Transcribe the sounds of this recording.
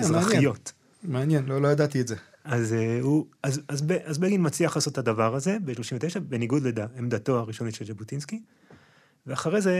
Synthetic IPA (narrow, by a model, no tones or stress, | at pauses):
meaajjo̞t | meanjɛnlolojadat̪ietze | azeuazazbeʔazbeɡinmat͡sliaχlaːsothadavaʁaze̞beʃlo̞ʃimveteʃabe̞niɡudledaemd̪ato̞aʁiʃo̞niʃeld͡ʒebutinski | veaχaʁe̞jze